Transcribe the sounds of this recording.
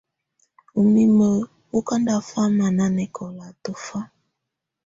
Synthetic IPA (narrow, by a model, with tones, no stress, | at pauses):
u˨mi˦mə˦˨ | o˦ka˦nda˦fa˦ma˨na˦nɛ˦kʰɔ˨la˨to˦fa˦